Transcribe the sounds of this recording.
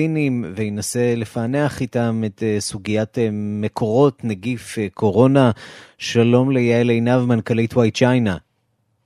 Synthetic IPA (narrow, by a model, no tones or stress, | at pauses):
inimveinasele̞faneaχitametsuɡijatme̞kʰo̞ʁo̞tnaɡifkʰo̞ʁo̞naʃalo̞mlejeelejnavmankalitwajt͡ʃajna